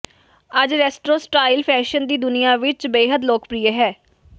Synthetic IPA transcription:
əd͡ʒɾɛːsʈɾoːsʈɾaːɪlpʰɛːʃənd̪iːd̪ʊnɪjãːʋɪt͡ʃbeːɦəd̪loːkpɾiːeɦɛː

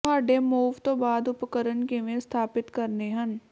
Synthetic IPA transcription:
ɦaːɖemuːʋt̪obaːd̪ʊpkəɾənkeʋẽst̪ʰaːpɪt̪kəɾneɦən

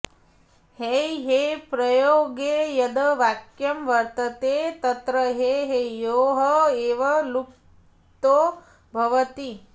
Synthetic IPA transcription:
hejɦeːpɾɐjoːɡejɐd̪ɐʋaːkjɐmʋɐɾt̪ɐt̪eːt̪ɐt̪ɾɐɦeːɦejoːɦɐeːʋɐluk | t̪oː | bʱɐʋɐt̪i

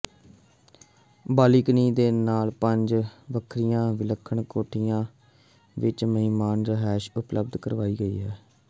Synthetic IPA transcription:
baːliːkniːd̪eːnaːlpəɲd͡ʒʋəkʰɾijãːʋɪləkʰːəɳkoːʈʰɪjãː | ʋɪt͡ʃməɦɪmaːnɾəɦɛːʃʊpləb̚d̪kəɾʋaːiːɡəḭːɦɛː

